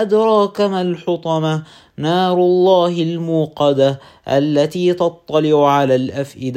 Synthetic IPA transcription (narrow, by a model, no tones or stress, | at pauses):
ʔad̪ɾˤɑːkɪmalħʊt̪ˤɑma | nɑːɾˤʊlˤːɑːhɪlmuːqɑd̪a | ʔa̰lːat̪iːt̪ɑt̪ˤːɑlɪʕʕalaːlʔafʔɪd̪